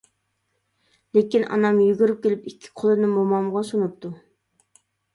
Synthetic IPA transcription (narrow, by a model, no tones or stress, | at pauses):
lekʲinʔɑ̰nɑmjyɡʲyɾyp̚kʲelɪpikʲʰːi̥qʰolˠɨnɨmomɑmʁɑsonup̚t̪ʰu